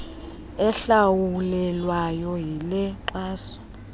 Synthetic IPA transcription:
ɛɬawulɛlwajɔjilɛǃaːsɔ̥

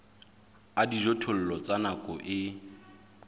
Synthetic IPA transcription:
adiʒɔtʰol̩lɔt͡sanakʼɔʔɪ

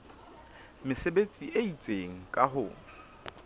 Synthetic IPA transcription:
mɪsebet͡sʼiʔeit͡sʼeŋ̩kʼaɦʊ

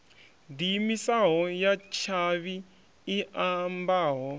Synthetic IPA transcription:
dimisaɦɔjat͡ʃʰaβiː | ʔambaːɦɔ

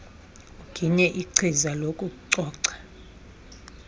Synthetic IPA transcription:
ɡ̥ʱiɲɛʔiǀʰizalokʼukʼuǀɔːǀɛ̥

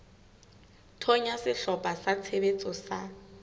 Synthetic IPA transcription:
tʰɔɲasɪɬɔpʼasat͡sʰebet͡sʼɔsa

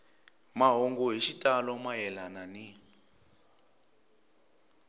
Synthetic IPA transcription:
maɦoŋɡɔɦiʃitʼalɔmaɦɛlanani

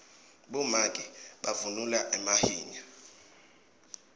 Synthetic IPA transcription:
ɓɔmakʼiɓavunulaʔɛmahiːɲa

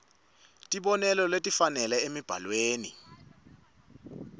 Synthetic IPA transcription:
tʼiɓɔnɛlɔletʼifanɛlɛemib̥ʱa̰lweːnḭ

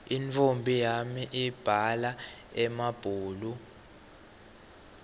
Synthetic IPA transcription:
infʰombʱijamiʔib̥ʱalaɛmab̥ʱuːlu

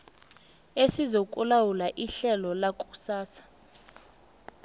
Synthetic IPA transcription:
esizokʼulawulaʔiɬɛlɔlakʼusaːsḁ

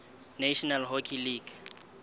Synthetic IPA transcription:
neʃɔnalɦokʰiliːɡ̥

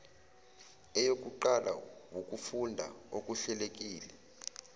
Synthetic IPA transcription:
ɛjok̬ʼuǃalʔa̰wokʼufundʱa̰okʼuɬɛlek̬ʼiːlɛ

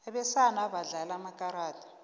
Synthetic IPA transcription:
ɛɓɛsanaβaɮalamakʼaɾaːtʰʼḁ

